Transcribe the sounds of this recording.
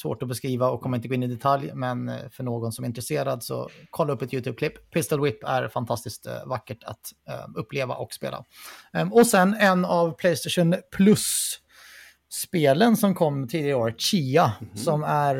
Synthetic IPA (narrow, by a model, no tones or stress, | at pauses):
svo̰ːʈɔbɛskɾiːvaɔkʰːɔmːaɪnt̪əɡoːɪnɪd̪ɛt̪ʰaljmɛnfœɳoːɡɔnsɔmæɪnt̪ɾɛseːɾad̪sɔ̰kʰɔlːaɵpːɛt̪jʉːt̪ʰʉːb̚kʰlɪpːpʰɪst̪əlwɪpːæ̰ɾfant̪ʰast̪ɪskt̪vakːəʈʰa̰t̪ɵpʰːleːva̰ʔɔkspḛːlʔa̰ | ɔsɛnːɛnavpʰlɛɪjst̪ɛʂɔnpʰlɵs | peːlənsɔmkʰɔmːt̪ʰiːd̪ɪaɾəoːɾɕiːasɔmæɾ